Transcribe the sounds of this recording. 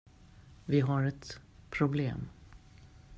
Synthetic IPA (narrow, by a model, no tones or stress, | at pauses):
vɪɦaɾɛt̪pʰɾʊblḛːm